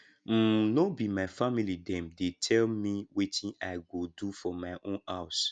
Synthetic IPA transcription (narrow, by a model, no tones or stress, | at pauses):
m̩nobimaɪfamilidɛ̃mdetʰɛlmiwetʰĩaɪɡodufɔmaɪʔõnhaʊs